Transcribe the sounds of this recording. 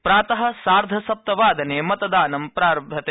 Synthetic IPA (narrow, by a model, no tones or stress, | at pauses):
pɾaːt̪ɐɦɐ̆saːɾd̪ʱɐsɐp̚t̪ɐʋaːd̪ɐneːmɐt̪ɐd̪aːnɐmpɾaːɾɐbʱɐt̪e